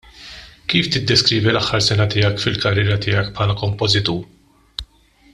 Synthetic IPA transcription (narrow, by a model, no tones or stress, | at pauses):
kiːft̪ɪd̪ːɛskɾiːvilɐħːɐɾsɛnɐt̪ɪːjɐkfɪlkɐrːɪːɾɐt̪ɪːjɐkpʰħɐːlɐkɔmpɔzɪt̪uːɾ